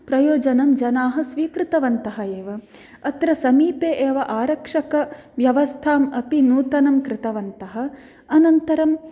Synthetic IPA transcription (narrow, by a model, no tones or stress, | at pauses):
pɾɐjoːd͡ʒɐnɐmd͡ʒɐnaːɦɐsʋiːkɾɪt̪ɐʋɐnt̪ɐɦɐeːʋɐ | ɐt̪ɾɐsɐmiːpeːʔeːʋɐʔaːɾɐkʂɐkɐʋjɐʋɐst̪ʰaːmɐpinuːt̪ɐnɐmkɾɪt̪ɐʋɐnt̪ɐɦɐ̆ | ɐnɐnt̪ɐɾɐm